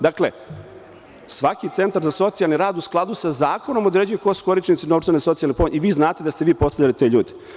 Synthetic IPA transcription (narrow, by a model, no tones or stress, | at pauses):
d̪aklḛ | sʋakit̪se̞nt̪aɾzaso̞t̪sijalˠniɾaːd̪usklˠad̪usazaːko̞no̞mo̞d̪ɾe̞d͡ʑujekosko̞ɾit͡ʃnit̪sino̞vɾt͡ʃ̪eneso̞t̪sijalnepomɲiʋiːznaːt̪ed̪ast̪e̞ʋiːpo̞st̪aʎʲalit̪eʎuːd̪e̥